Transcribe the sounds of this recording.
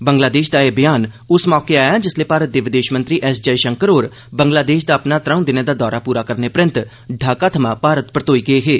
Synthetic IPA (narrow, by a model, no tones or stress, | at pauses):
bəŋɡlaːd̪eːʃd̪aːeːbɪjaːn | ʊsmɔːkeaːjaːd͡ʒɪsleːpaːɾət̪̚d̪eːʋɪd̪eːʃmənt̪ɾiːʔɛːsd͡ʒəiʃəŋkəɾoːɾ | bəŋɡlaːd̪eːʃd̪aːəpnaːt̪ɾəũd̪ɪneːd̪aːd̪ɔːɾaːpuːɾaːkəɾneːpɾɪnt̪ | ɖʱaːkaːt̪ʰəmãːpaːɾət̪pɾət̪oːiːɡɪeːɦeː